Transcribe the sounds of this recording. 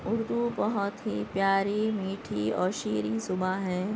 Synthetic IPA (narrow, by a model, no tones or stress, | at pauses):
ʊɾd̪ubɐɦʊt̪ɦipjaːɾimiːʈʰiɔ̰ːɾʃiːɾisʊbaɦɛː